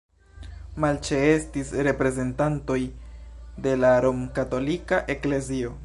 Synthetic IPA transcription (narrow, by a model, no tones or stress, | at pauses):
malt͡ʃe̞e̞stisɾe̞pɾe̞ze̞ntanto̞j | de̞laɾo̞mkato̞likaʔe̞kle̞zio̞